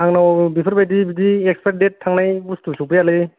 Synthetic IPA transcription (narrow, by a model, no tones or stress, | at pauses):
aŋnawbipʰɯɾbajdibidiekspʰedetʰːaŋnajustusuk̚pɯjalɯj